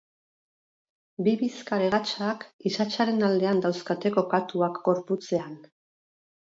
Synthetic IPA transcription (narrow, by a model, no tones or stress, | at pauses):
biβiskaɾeɣat͡ʃakisat͡ʃaɾe̞nald̪e̞and̪awskat̪e̞ko̞kat̪uakɡo̞ɾput͡se̞an